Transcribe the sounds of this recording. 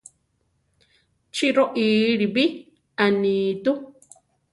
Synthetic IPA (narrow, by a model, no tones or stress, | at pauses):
t͡ʃiɾoʔiːɾiβi | aniːt̪u